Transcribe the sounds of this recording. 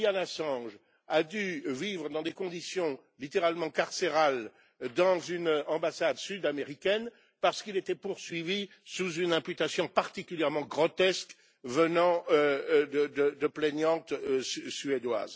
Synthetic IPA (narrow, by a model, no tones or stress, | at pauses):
ianasɑ̃ʒ | ad̪yvivʁəd̪ɑ̃d̪ekɔ̃d̪isjɔ̃ | lit̪eʁalmɑ̃kaʁseʁal | d̪ɑ̃zynɑ̃basad̪syd̪ameʁikʲɛn | paʁsə̥kilet̪ɛpuʁsɥivi | suzynɛ̃pyt̪asjɔ̃paʁt̪ikʲyljɛʁmɑ̃ɡʁɔt̪ɛsk | vənɑ̃ød̪əd̪əd̪əplɛɲjɑ̃t̪syed̪wa̰z